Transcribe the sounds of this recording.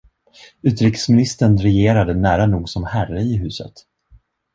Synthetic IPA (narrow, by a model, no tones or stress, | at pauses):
ʉ̟ːt̪ɾɪksmɪnɪst̪əɳɾɛjeːɾad̪ənæːɾanuːɡsɔmhærəɪɦʉ̟ːsə̰t̪